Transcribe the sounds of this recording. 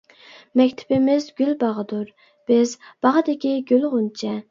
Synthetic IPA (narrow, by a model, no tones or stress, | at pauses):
mɛkʲt̪ʰɪ̥bɪmɪzɡʲylbɑʁəd̪uɾ | b̥ɪzb̥ɑʁəd̪ɪkʲʰiɡʲølʁʊnt͡ʃʰɛ